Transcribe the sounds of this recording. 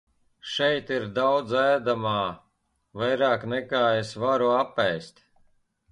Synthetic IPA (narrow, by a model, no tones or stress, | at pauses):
ʃɛjt̪iɾd̪awd̪zæːd̪amaː | vajɾaːknɛkaːesvaɾuapːɛjst̪ʲ